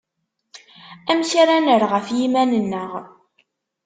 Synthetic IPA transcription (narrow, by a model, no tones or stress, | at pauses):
æmçaɾænəɾʁəfjimænənːəʁ